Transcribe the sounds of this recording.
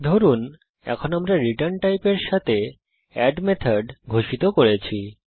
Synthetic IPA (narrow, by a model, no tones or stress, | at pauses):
d̪ʱoɾun | ɛ̰kʰonamɾaɾiʈaɾnʈajpeɾʃat̪ʰe | ɛɖmet̪ʰaɖɡʱoʃit̪okoɾet͡ɕʰi